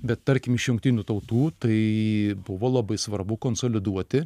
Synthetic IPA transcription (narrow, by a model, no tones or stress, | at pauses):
bʲɛt̪tɐɾʲkʲɪmɪʃjʊŋk̚t̪ʲiːnʲuːt̪ɐʊt̪uːt̪ɐɪbʊʋoːlˠɐbɐɪsʋɐrbʊkoːnsoːlʲɪd̪uɔt̪ʲɪ